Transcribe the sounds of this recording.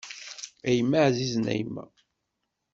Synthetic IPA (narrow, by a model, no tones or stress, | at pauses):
æjəmːaʕziznæ̰jmːæ̰